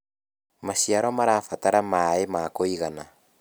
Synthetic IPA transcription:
maʃiaɾɔmaɾaːfataɾamaemakoiɣana

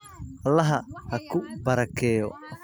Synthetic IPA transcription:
ʔɐlːɐɦɐhɐkʰʊbɐɾɐkʰɛːjɔ̰

